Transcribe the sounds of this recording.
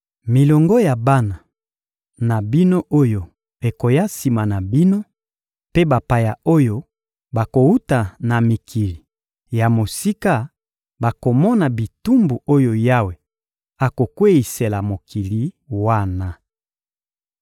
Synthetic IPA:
mi˨lɔ˨ŋɡɔ˦ja˨ba˦na˨ | na˨bi˦no˦ʔo˦jo˨ | e˨ko˨ja˦si˨ma˨na˨bi˦no˦ | pe˦ba˨pa˨ja˨o˦jo˦ | ba˨ko˨u˦ta˨na˨mi˨kʰi˨li˨ | ja˨mo˨si˦ka˦ | ba˨ko˨mɔ˦na˨bi˨tu˦mbu˨o˦jo˨ja˦we˨ | a˨ko˨kwe˦i˨se˨la˨mo˨kʰi˨li˨ | wa˦na˨

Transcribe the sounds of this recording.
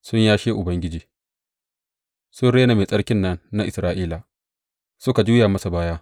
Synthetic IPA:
sʊ˦ɲjaː˦ʃeː˦ʔʊ˨bɐ˦ŋɡʲɪ˦d͡ʒiː˨ | sʊ˦nɽeː˦na˨meː˨sʼɐ˦ɽkʲɪ˦nːɐ˦nːa˦ʔɪ˨sɾaː˦ʔiː˦la˨ | sʊ˦ka˨d͡ʒuː˦jaː˨mɐ˦sa˨baː˦jaː˦

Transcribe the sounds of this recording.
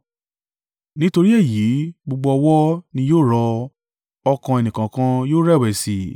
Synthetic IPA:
nĩ˦to˧ɾi˦e˦˨ji˨˦ɡ͡bo˧ɡ͡bɔ˧ɔ˧wɔ˦nĩ˧joː˦˨ɾɔ˧ | ɔ˧kã˧e˨nĩ˨kã˨kã˧joː˦ɾɛ˦˨wɛ˨si˨

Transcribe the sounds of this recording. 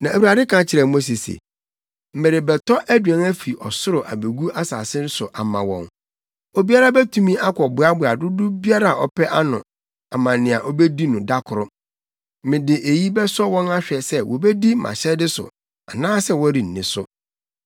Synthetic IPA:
nã˨æ˨wu˨ɾa˨dɪ˦kʰã˨˦t͡ɕʰɪ˨ɾɛ˨mõ˦s̬e˨sḛ˨ | m̩˦mɪ̃˨ɾɪ˨bɛ˨tʰɔ˦ʔæ˦dɥɛ̃˨ŋæ˦fi˨ʔɔ˨sʊ˦ɾʊ˨ʔa̰˨be˨ɡu˦ʔa˦sa̰ː˨sɪ˦n̩˦sʊ˨ʔa˨mã̰˨wɔ̰̃˨n | o˦bi˦a˦ɾa˦bɛ˦tʰu˦mĩ˦a˦kʰɔ˨bʊ˨a˦bʊ˨a˨dʊ˦dʊ˦bi˦a˦ɾa˨ʔɔ˨pʰɛ˦ʔa˦nʊ̃˨ | a˨mã˨nɪ̃˨a˨ʔɔ˦bɛ˦di˦nʊ̃˨da˦kʰʊ˨ɾʊ˦ | mɪ̃˨dɪ˨ʔe˨ji˦bɛ˦sɔ˦wɔ̃˦na˦ɕᶣɛ˨sɛ˦wɔ˨bɛ˦di˦mʔã̰˨ɕɛ˦dɪ˦sʊ̰˨ | a˨nãː˦sɛ˦wɔ̃˦ɾi˨n̩˨nɪ̃˨˦sʊ˦

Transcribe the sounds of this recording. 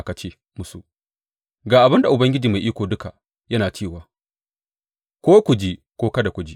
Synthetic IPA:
ka˨t͡ʃeː˦ | mʊ˦sṵ˨ | ɡaː˨ʔa˨bɐ˦nda˨ʔʊ˨bɐ˦ŋɡʲɪ˦d͡ʒiː˨ma˨ʔiː˦kʷoː˨dʊ˦ka˨ | jɐ˦naː˨t͡ʃeː˦˨waː˦ | kʷoː˦kʷʊ˨d͡ʒeː˦kʷoː˦kɐ˦da˨kʷʊ˦d͡ʒi˦

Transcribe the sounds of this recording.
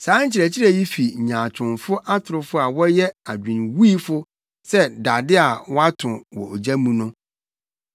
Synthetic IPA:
sãː˨˦ɲ̩˦t͡ɕʰɪ˨ɾɛ˨t͡ɕʰɪ˦ɾɛ˨ji˦fi˨ɲãː˨t͡ɕʰʊ̃˨nfʊ˦ʔa˦tʰʊ˨ɾʊ˦fʊ˦a˨wɔ˦jɛ˦a˨dᶣĩ˨nwiː˦fʊ˦ | sɛ˦da˨dɪ˦a˨wɔ˦a˦tʰʊ̃˨wɔ̰˨o˨d͡ʑa˦mũ˦nʊ̃˦

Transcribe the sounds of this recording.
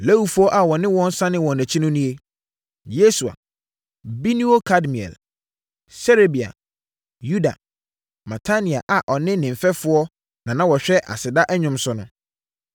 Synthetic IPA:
le˦wu˨fu˦ɔ˦ʔa˨wɔ˨nɪ̃˦wɔ̃˦n̩˦sã˦nɪ̃˦wɔ̃˨næ̃˨t͡ɕʰi˦nʊ̃˦nĩ˦e˦ | je˦su˨a̰˨ | bi˦nũ˦o˦kʰa˦dmi˨ɛ̰˨l | se˦ɾe˦bi˨a̰˨ | ju˦da̰˨ | ma˨tʰa˦nĩ˨a̰˨ʔa˨ʔɔ˨nɪ̃˦nɪ̃˨m̩˨fɛ˦fʊ˦ɔ˦ | nã˨nã˦wɔ˨ɕᶣɛ˦ʔa̰˨sɪ˨da˦ʔɛ˦ɲᶣʊ̃˦msʊ˦nʊ̃˦

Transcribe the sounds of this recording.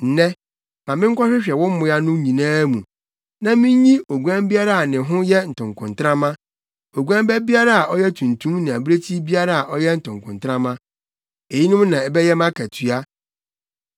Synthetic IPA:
n̩˨nɛ˦ | mã˨mɪ̃˦ŋ̩˦kʰɔ˦ɕᶣɪ˦ɕᶣɛ˨wɔ̃˦m̩˦mʊ̃˨˦a˦nʊ̃˦ɲĩ˨nãː˦mṵ̃˨ | nã˦mɪ̃˦ɲ˦ɲĩ˦o˨ɡu˨ã˦m˦bi˦a˦ɾa˨a˨nɪ̃˨ɦʊ̃˦jɛ˦n̩˨tʰʊ̃˨ŋ˨kʰʊ̃˨n˨tʰɾã˦mã˦ | o˨ɡu˦ã˦m˦bɛ˦bi˦a˦ɾa˦a˨ʔɔ˦jɛ˦tʰũ˨ntʰũ˦mnɪ̃˨a˨bɾe˦tʰi˦bi˦a˦ɾa˨a˨ʔɔ˦jɛ˦n̩˨tʊ̃˨ŋ˨kʊ̃˨ntʰɾã˦mã˦ | e˨ji˦nʊ̃˦mnã˨ɛ˨bɛ˦jɛ˦mã˦kʰæ˨tʰɥa˦

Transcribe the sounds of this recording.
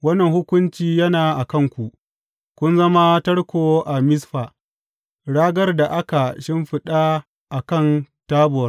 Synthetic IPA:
wɐ˦nːɐ˨ŋhʊ˦kʷʊ˦nt͡ʃiː˦jɐ˦naː˨ʔa˨kɐ˦˨ŋkʷu˨ʔ | kʷʊ˦nzɐ˦ma˦tɐ˦ɽkʷoː˨ʔa˨mɪ˦sɸaː˨ | ɽaː˦ɡɐ˦rda˨ʔa˦ka˨ʃɪ˦mɸɪ˦ɗa˦ | ʔa˨kɐ˦˨ntaː˦bʊ˨ɐ˦r

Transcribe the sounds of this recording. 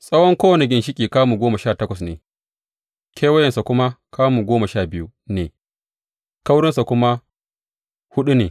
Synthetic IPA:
sʼɐ˦wɔ˦ŋkʷoː˦wɐ˨ne˨ɡʲɪ˨nʃɪ˦kʲʼiː˨kaː˦muː˨ɡʷoː˦ma˨ʃaː˦˨tɐ˦kʷɐ˨snḛː˨ | kʰʲeː˦wɐ˦jɐ˨nsa˨kʷʊ˦ma˦kʰaː˦muː˨ɡʷoː˦ma˨ʃaː˦˨bɪ˦ju˦ | neː˨ | ka˦wɽɪ˦nsa˨kʷʊ˦ma˦ | hʊ˦ɗu˦neː˨

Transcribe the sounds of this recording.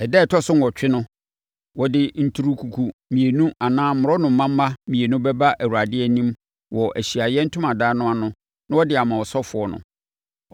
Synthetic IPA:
ɛ˨dɛ˦˨tʰɔ˦sʊ˦n˨wɔ˨t͡ɕᶣɪ˦nʊ̃˦ | wɔ˦dɪ˦n̩˦tʰu˦ɾu˦kʰu˨kʰu˦mĩ˨e˨nũ˦a˨nãː˦ʊ̃˨ɾɔ˦nʊ̃˨m̩˨˦mã˦m̩ː˦a˦mĩ˨e˨nʊ̃˦bɛ˦ba˦ʔæ˨wu˨ɾa˨dɪ˦ɛ˦˨nĩ˦m | wɔ˨ʔæ˨ɕi˨a˨jɛ˦n̩˦tʰʊ̃˦mã˨daː˦nʊ̃˦a˨nʊ̃˦ | nã˦wɔ˦dɪ˨a˨mã˨wɔ˨sɔ˦fʊ˨ɔ˦nʊ̰̃˨

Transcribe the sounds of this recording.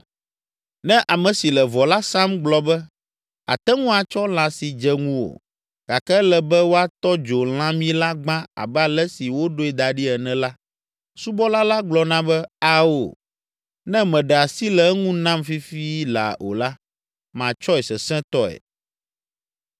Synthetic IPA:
nɛ̃˦ʔa˨mɛ̃˨si˨lɛ˨vɔ˨la˦sã˦mɡ͡blɔ˨bɛ˦ | a̰˨t̪ɛ˦ŋũ˦a˨t͡ʃɔ˦l̃ã˨si˨d͡ʒɛ˦ŋũ˦wo̰˨ | ɡa˨kɛ˦lɛ˨bɛ˦wo˦a˦t̪ɔ˦d͡ʒo˨l̃ã˦mĩ˦la˦ɡ͡bã˦a̰˨bɛ˦a˨lɛ˦si˨wo˦ɖo˦ɛ˨d̪a˨ɖi˦ɛ˨nɛ̃˨la˦ | su˦bɔ˦la˦la˦ɡ͡blɔ˨nã˦bɛ˦a˦wo̰˨ | nɛ̃˦mɛ̃˨ɖɛ˨a˨si˦lɛ˨ɛ˦ŋũ˦nã˦mfi˦fi˦la̰˨o̰˨la˦ | mã˨t͡ʃɔ˦ɛ˨sɛ˨sɛ̃˦t̪ɔ˦ɛ̰˨

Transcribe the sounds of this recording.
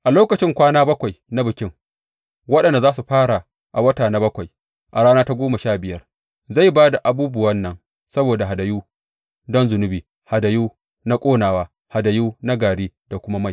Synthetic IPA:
ʔa˨loː˦kɐ˨t͡ʃɪ˦ŋkʷaː˦naː˦bɐ˦kʷa˨jna˦bɪ˨kʲɪ˦ŋ | wɐ˦ɗɐ˨nda˨zaː˦su˨ɸaː˦ɽa˨ | ʔa˨wɐ˦taː˨na˦bɐ˦kʷa˨j | ʔa˨ɽaː˦naː˦ta˦ɡʷoː˦ma˨ʃaː˦˨bɪ˨jɐ˦r | za˦˨jbaː˦da˨ʔa˨buː˦bʊ˦wɐ˦nːɐ˨ŋ | sɐ˦boː˨da˨ɦa˨da˨juː˦ | dɔ˦nzʊ˨nʊ˦biː˨ | ha˨da˨juː˦ | na˦kʷʼoː˦naː˨waː˦ | ha˨da˨juː˦na˦ɡaː˨ɽiː˦d̥a˨kʷʊ˦ma˦ma˦˨j

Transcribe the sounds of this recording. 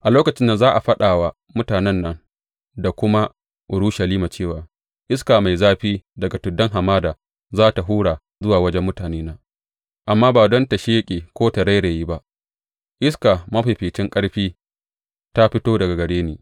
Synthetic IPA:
ʔa˨loː˦kɐ˨t͡ʃɪ˦nːɐ˨zaː˦ʔa˨ɸɐ˦ɗaː˨wa˦ | mʊ˦taː˨nɛ˦nːɐ˨ŋ | da˨kʷʊ˦ma˦ | ʔʊ˨ɽu˦ʃɐ˨liː˦ma˨t͡ʃeː˦˨waː˨ | ʔɪ˦skaː˨ma˨jzaː˦ɸiː˦dɐ˨ɡa˨tʊ˨dɐ˦ŋɦa˨maː˦daː˨ | zaː˦ta˨ɦuː˦ɽaː˨ | zʊ˦waː˨wɐ˦d͡ʒɛ˦mːʊ˦taː˨neː˦naː˦ | ʔa˨mːaː˦baː˨dɔ˦nta˨ʃe˦kʲʼeː˨kʷoː˦ta˨ɾa˦jɽe˨jiː˦ba˦ʔ | ʔɪ˦ska˨mɐ˦ɸa˨ɸɪː˨t͡ʃɪ˦ŋkʼɐ˦ɽɸiː˦ | ta˦ɸɪ˦toː˦dɐ˨ɡa˨ɡɐ˨ɽeː˦neː˨

